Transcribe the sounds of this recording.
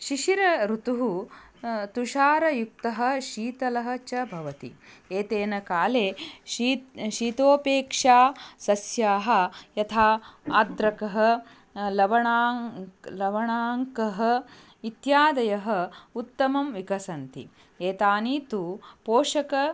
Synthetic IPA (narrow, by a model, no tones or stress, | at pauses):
ʃiʃiɾɐɾut̪uɦu | t̪uʃaːɾɐjuk̚t̪ɐɦɐ̆ʃiːt̪ɐlɐɦɐ̆t͡ʃɐbʱɐʋɐt̪ḭeːt̪eːnɐkaːleːiʃiːt̪oːpeːkʂaːsɐsjaːɦɐ̆jɐt̪ʰaːaːd̪ɾɐkɐɦɐ̆ | lɐʋɐɳaːlɐʋɐɳaːŋkɐɦɐ̆ | it̪jaːd̪ɐjɐɦɐ̆ut̪ːɐmɐmʋikɐsɐnt̪ḭ | eːt̪aːniːt̪upoːʂɐkɐ